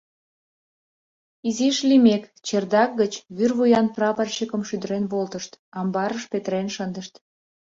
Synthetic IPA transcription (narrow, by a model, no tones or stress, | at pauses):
iziʃlimekt͡ɕerd̪ɑk̚ɡət͡ɕβyrβujɑnprɑpərɕəkəmʃyd̪əɾenβolt̪əʃt̪ɑmbɑɾəʃpet̪əɾenʃənd̪əʃt̪